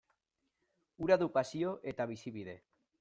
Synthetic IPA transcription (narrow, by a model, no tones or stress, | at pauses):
uɾaðupasjoʔet̪aβisiβiðe